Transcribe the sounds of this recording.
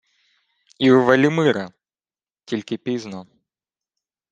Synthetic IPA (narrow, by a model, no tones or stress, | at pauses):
iwʋɐlʲimɪɾɐ | tʲilʲkɪpʲiznɔ